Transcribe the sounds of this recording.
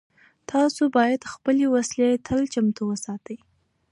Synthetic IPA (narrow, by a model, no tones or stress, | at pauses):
t̪ʰɑsobɑjad̪xpəlewaslet̪ʰəlt͡ʃamt̪uwəsɑt̪əj